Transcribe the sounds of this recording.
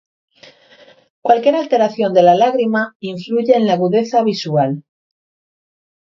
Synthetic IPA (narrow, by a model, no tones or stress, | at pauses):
kwalkje̞ɾalt̪e̞ɾaθjo̞nd̪e̞lalaɣɾimaiɱfluʝe̞ːnlaɣuðe̞θaβ̞isual